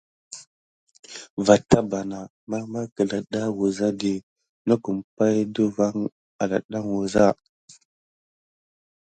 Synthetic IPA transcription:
va˨ta˦ba˨na˨ | ma˦ma˦kə˨la˨ɗa˦wu˨za˦di˨ | nu˦ku˨mpa˦jdu˦va˦ŋ | a˨la˨ɗa˦ŋwu˨za˦

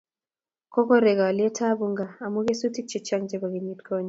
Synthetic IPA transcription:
kɔ˦kɔ˦ɾe˨ɡa˨ɔ˨ljɛ˦tʰa˦bu˨ŋɡa˨a˨mu˦ɡe˦su˦ti˦t͡ʃɛ˨t͡ʃa˦ŋd͡ʒɛ˦ba˨ɡi˨ɲi˦tkʰɔ˦ɲ˨

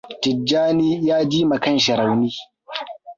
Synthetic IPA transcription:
tɪ˨d͡ʒːaː˦niː˦jaː˦d͡ʒiː˦mɐ˨kɐ˦˨nʃɐ˨ɾa˨wniː˦

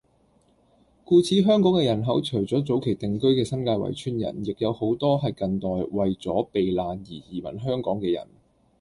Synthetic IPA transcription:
kuː˧t͡sʰiː˨˥ɦœː˥ŋkɔː˨˥ŋkɛː˧jɐ˨˩nɦɐ˨˥wt͡ʃʰɵ˨˩wt͡sɔː˨˥t͡so˨˥wkʰe˨˩jt̪ɪ˨ŋkɵ˥ɥkɛː˧sɐ˥mkaː˧jwɐ̰˨˩jt͡ʃʰyː˥njɐ̰˨˩njɪ˨k̚jɐ˨˧who˨˥wt̪ɔː˥ɦɐ˨jkɐ˧nt̪ɔː˨jwɐ˨jt͡sɔː˨˥pe˨jlaː˨njiː˨˩jiː˨˩mɐ̰˨˩nɦœː˥ŋkɔː˨˥ŋkɛː˧jɐ̰˨˩n

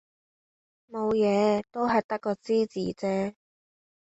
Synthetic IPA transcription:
mo˨˧wjɛː˨˧t̪o˥wɦɐ˨jt̪ɐ˥kːɔː˧t͡siː˥t͡siː˨˥t͡sɛː˥

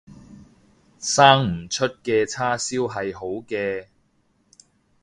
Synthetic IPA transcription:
saː˥ŋm̩˨˩t͡ʃʰɵ˥t̚kɛː˧t͡sʰaː˥siː˥wɦɐ˨jɦo˨˥wkɛː˧

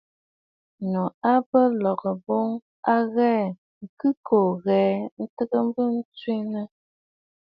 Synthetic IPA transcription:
nɔ˨a˦bə˦lɔ˨kə˨bo˦ŋ | a˦ɣɛː˦ | ŋ̩˨kʉ˦ko˨ɣɛː˨˦n̩˦tə˦ɡə˦m˦bə˦n̩˦t͡swe˦nə˦

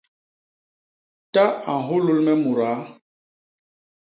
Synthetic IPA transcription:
ta˦a˨ɦu˦lu˦lmɛ˦mu˨ɾa˨˦

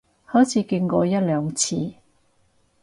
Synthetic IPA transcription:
hɔː˨˥jt͡sʰiː˨˧kɪ˧ŋkɔː˧jɐ˥t̚lœː˨˧ŋt͡sʰiː˧

